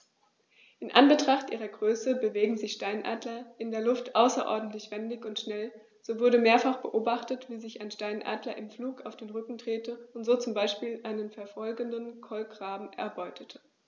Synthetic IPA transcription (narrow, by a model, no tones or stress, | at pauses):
ʔɪnʔanbətʁ̥aχtʔiːʁɐɡʁøːsəbəveːɡŋ̩zɪçʃtaɪnʔa̰ːdlɐʔɪndeːɐlʊftʔaʊsɐʔɔ̰ɐdn̩tlɪçv̥ɛndɪçʊntʃnɛl | z̥oːvʊɐɾəmeːɐfaχb̥əʔoːbaχtətv̥iːzɪçaɪnʃtaɪnʔa̰ːdlɐʔɪmfluːkaʊfd̥eːnʁʏkŋ̩dʁ̥eːtəʊntz̥oːt͡sʊmbaɪʃpiːlʔaɪnənfɛɐfɔlɡəndənkʰɔlɡʁ̥aːbm̩ʔɛ̰ɐbɔʏtʰətʰə̥